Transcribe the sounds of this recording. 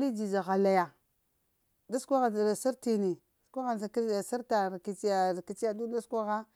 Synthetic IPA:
li˦d͡ʒi˨za˨ɣa˨la˨ja˨ | da˦skʷa˦ɣa˨si˦ɾti˨ni˨skʷa˦ɣa˨˦˨sa˦ɾta˨ɾki˨t͡ʃi˦a˨ki˨t͡ʃi˦ja˦˨du˦da˦skʷa˦ɣa˦

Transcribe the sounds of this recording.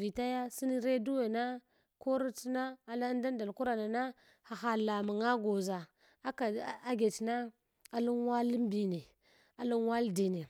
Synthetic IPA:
vi˨ta˦ja˦si˦ni˦ɾe˦du˦we˨na˦ | ko˦ɾi˦ti˦na˦a˨la˦n˦da˦n˦da˨lku˦ɾa˨na˨na˦ | ha˨xa˨la˨mu˨ŋa˦ɡo˨za˨ | a˦ka˨a˦ɡe˨tna˦ | a˨lu˦ŋ˦wa˦li˦m˦bi˨ne˨ | a˨lu˦ŋ˦wa˦ldi˨ne˨

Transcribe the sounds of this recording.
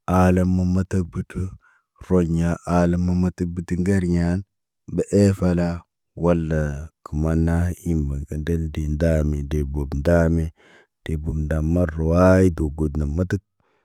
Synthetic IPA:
a˨la˦mːa˨ma˦tə˦k̚bu˨tu˦ | ɾo˨ɲa˨ʔa˨la˦mːa˦ma˦tə˦k̚bi˨tu˦ŋɡa˦ɾɲa˦n | bə˨ʔe˦fa˦la˦ | wa˦lːa˨ki˨ma˦na˦i˦mba˨ŋka˨de˦ldi˨nda˦mi˨de˨bo˨bnda˦mi˦ | d̥e˨bo˨bnda˨mːa˦o˨wa˦ji˦do˨ɡo˨dna˨mːa˦tə˦k̚

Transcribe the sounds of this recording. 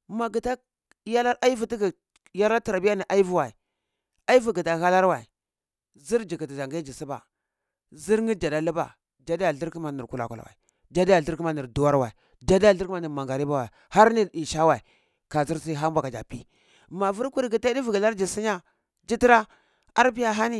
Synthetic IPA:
ma˨ɡi˨ta˦ | ja˦la˦ɾa˦i˦vu˨ti˦ɡi˨ | ja˦la˦ta˨ɾa˨bi˦ja˦ni˨ʔa˦i˦vu˦wa˨i˨ | a˦i˦vu˨ɡi˨ta˨ɣa˦la˦ɾwa˨i˨ | zi˦ɾd͡ʒi˨ki˨ti˨za˨ŋɡa˦d͡ʒi˨si˦ba̰˨ | zi˦ɾŋi˦d͡ʒa˨da˦lu˦ba̰˨ | d͡ʒa˦da˦ja˨ɬi˦ɾki˦ma˨ni˨ɾku˦˨la̰˨ka˨la̰˨wa̰˨i˨d͡ʒa˦da˦ja˨ɬi˦ɾki˦ma˦ni˨ɾdu˨wa˦ɾwa˨i˨ | d͡ʒa˦dja˨ɬi˦ɾma˦ni˨ɾma˨ŋɡa˨ɾi˦ba˦wa˨ha˦ɾni˦i˨ʃa˦wa˨i˨ | ka˨zi˦ɾsi˦ɦa˦mbʷa˨ka˨d͡ʒa̰˨pi˦ | ma˨vu˦ɾku˦ɾɡi˨ti˦di˦vu˨ɡa˨la˦ɾd͡ʒi˨si˦ɲa˦ | d͡ʒi˦ti˦ɾa˦ | a̰˦ɾpi˦ja˦ɦa˦ni˦

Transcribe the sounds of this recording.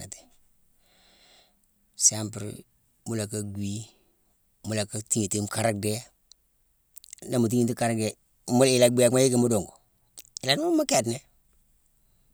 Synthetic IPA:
a̰˨te̥˨ | sa˦mpɾ̰ | mu˦la˨ka˦ɡi˦ | mu˦la˨ka˦ti˦ŋe˨ti˦m˦ka˦ɾa˦de˦ | na˨mu˨t̬i˦ŋi˨ti˦ka˦ɾɡe˨˦ | m˦i˨la˨ɡ͡bi˦ja˨kma˦ji˦ke˨mu˦do˨ŋɡo˨ | i˨la˨dm˦ma˦ke˦˨dne˦

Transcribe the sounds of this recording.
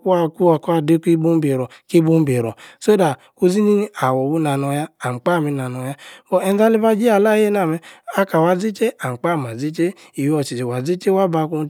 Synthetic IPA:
ku˦a˦ku˦a˨ka˨de˦ki˦bu˦m̩˦be˨ɾɔ˨ | ki˦bu˦m̩˦be˨ɾɔ˨so˦da˨ | ku˦zi˦ni˦n˦a˨wɔ˨bu˦na˨nɔ˨ja˦a˨m̩˨k͡pa˦˨mi˨˦na˨nɔ˨ja˦bɔ˦ɛ˦n˦za˦li˦va˦d͡ʒi˦a˨la˦je˦na˨mɛ˦a˦ka˨wa˨zi˦t͡ʃe˦a˨m̩˨k͡pa˦˨m˨a˨zi˦t͡ʃe˦ | i˨wɔ˨t͡ʃi˨d͡ʒi˨wa˨zi˦t͡ʃe˦wa˦ba˨˦ku˦

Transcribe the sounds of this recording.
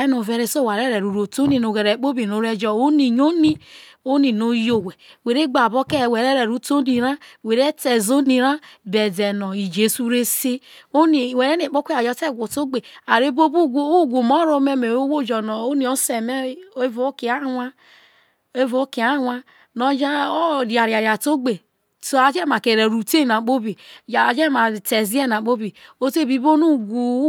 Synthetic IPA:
e˦no˨ve˨ɾe˨so˦˨wa˨ɾe˦ɾe˨ɾu˨ɾo˨to˦ni˦no˨ɡe˨ɾe˨˦k͡po˦bi˨no˨˦ɾe˦d͡ʒɔ˦o˦ni˨ɲo˦ni˦ | o˦ni˨no˨jo˦we˨we˨ɾe˦ɡ͡ba˨bo˦ke˦˨we˨ɾe˦ɾe˨ɾu˦to˦ni˨ɾa˦we˨ɾe˦te˨zo˦ni˨ɾa˦be˨de˨nɔ˨i˨d͡ʒe˨su˦ɾe˦se˦o˦ni˨we˨ɾe˦ne˨k͡po˦kʷe˦a˨d͡ʒɔ˨˦te˦˨ɡʷo˨to˦ɡ͡be˨a˨ɾe˦bo˦bo˦ɡo˦˨ɡu˨mo˦ɾo˦me˦me˨o˦wo˦˨d͡ʒɔ˨no˨o˦ni˨o˦se˨me˦e˦vo˦ki˨a˦wa˦ | e˦vo˨˦ki˨a˦wa˦ | no˨d͡ʒa˦o˦ɾa˨ɾja˨ɾja˨to˦ɡ͡be˨ | so˦a˨d͡ʒe˦ma˨ke˨ɾe˨ɾu˨te˦˨na˨k͡po˦bi˨d͡ʒe˦ma˨te˨zi˦ɛ˦na˨k͡po˦bi˨o˦te˦˨bi˦bo˦nu˦ɡu˨˦

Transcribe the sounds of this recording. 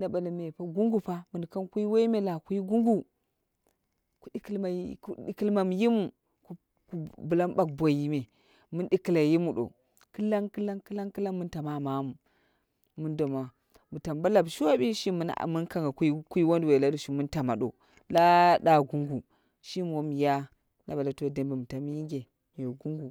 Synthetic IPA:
nda˨ba˨li˨me˨pa˦ɡu˦ŋɡu˦pa˦mu˨n˨ka˦nku˦i˦we˦i˦me˦˨la˨ku˦i˦ɡu˦ŋɡu˨ | ku˨ɗi˦ki˦lma˨˦˨u˦ɗi˦˨ki˦lma˨m˨ji˦mu˨ | ku˦ | ku˨˦bu˨la˦mba˨k̚bʷo˨ji˦me˨ | mu˦nɗi˦ki˨la˨ji˦mu˨ɗo̰˨ | kɨ˦la˦nkɨ˦la˦nkɨ˦la˦ŋkɨ˦la˦nmu˦nta˨ma˨ma˨˦mu˨ | mu˦ndo˨ma˨ | mu˨ta˨mba˦la˨bʃo˦bi˦ʃi˦m˦n̰˨mu˦nka˦ŋɡa˨kku˦i˦wo˦ndwe˨la˦do˦˨ʃi˦mu˦nta˨ma˨ɗo̰˨ | la˦da˦ɡu˦ŋɡu˨ | ʃi˦m˨wo˨˦m˨ja˦ | na˨ba˨la˨to˦˨de˦˨mbe˨mu˨ta˨m˦ji˦ɡe˨ | o˨ɡu˦ŋɡu˨

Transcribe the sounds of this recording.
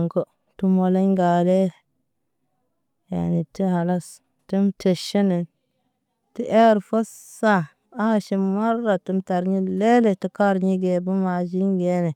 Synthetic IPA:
ŋko˦ | tu˦mo˨la˦ɲɡa˨le˦ | ja̰˨ni˨ti˦ɦa˨la˦s | ti˦mtʰe˨ʃi˦ni˨n | ti˦ʔe˦ɾfo˦s | sa˦˨ | a˦˨ʃi˨ma˦ɾːa˨ti˦mta˨ɾɲi˦le˦le˨ti˦ka˦ɾɲi˦ɡe˨bu˦ma˨d͡ʒi˦nɡe˨˦ne˨

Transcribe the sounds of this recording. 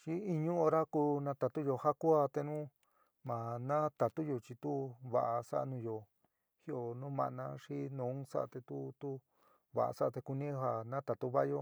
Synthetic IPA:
t͡ʃi˦i˧ɲũ˦o˧ɾa˦ku˧nã˧˦t̪a˧t̪u˦jo˧ha˦ku˦a˧t̪e˧nũ˦ | mã˨nã˦t̪a˨t̪u˦jo˧t͡ʃi˧t̪u˦βa˧˨ʔa˧sa̰˦ʔa˧nũ˧jo˧ | hi˦o˨nũ˦mã̰˨ʔnã˧ʂi˦nõ˨˦sa̰˦ʔa̰˧t̪e˧t̪u˦t̪u˦ | βa̰˨a̰˨sa˦˧t̪e˧ku˧nĩ˦ɦa˨nã˦t̪a˨t̪u˦βa˦jo˧

